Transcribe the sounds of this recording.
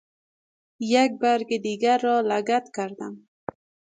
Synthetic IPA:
jak̚baɾɡɪd̪iɡaɾːɔlaɡat̪kaɾd̪am

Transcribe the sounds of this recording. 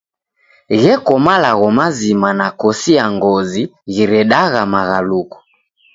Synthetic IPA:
ɣɛkɔmalaɣɔmazimanakɔsiaŋɡɔziɣiɾɛɗaɣamaɣalukɔ̥

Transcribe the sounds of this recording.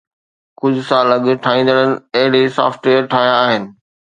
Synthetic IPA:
kʊd͡ʑʱʊsãɐləɡʈʰaːĩːn̆d̪əɽ̃ənɪ̆ɐɦɪɽesa̰ːfʈweːəɾʈʰaːɦjaːɦɪnɪ̆

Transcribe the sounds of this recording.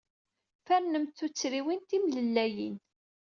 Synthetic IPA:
fæɾnəmt̪θut͡sːɾiwint̪imləlːæjḭn

